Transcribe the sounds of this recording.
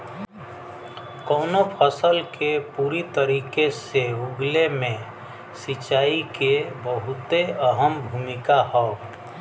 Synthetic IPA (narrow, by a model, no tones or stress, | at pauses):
kɔːnopʰəsəlkepuːɾit̪əɾiːkeseuɡlemẽ | sɪt͡ʃaːikebəɦʊt̪eəɦəmbʱumɪkaɦɔː